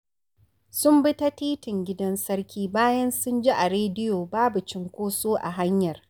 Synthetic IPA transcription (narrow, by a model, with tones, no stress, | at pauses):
sʊ˦mbɪ˦ta˦tiː˦tɪ˨ŋɡʲɪ˦dɐ˦nsɐ˦ɽkʲʰiː˦baː˦jɐ˦nsʊ˦nd͡ʒi˦ʔa˨ɾeː˦dɪ˦joː˨baː˦bu˨t͡ʃɪ˦ŋkʷoː˦soː˦ʔa̰˨ɦa˦ɲjɐ˨r